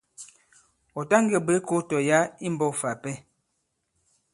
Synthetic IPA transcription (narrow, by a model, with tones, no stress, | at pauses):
ɔ˨ta˦ŋ˦ɡə˨bə˨˦ko˦tɔ˨ja˦i˦m˨bɔ˦˨fa˨pɛ˦